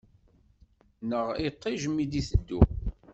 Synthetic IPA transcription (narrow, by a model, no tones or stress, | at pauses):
nəʁit̪ˤːɪʒəmːid̪iθəd̪ːṵ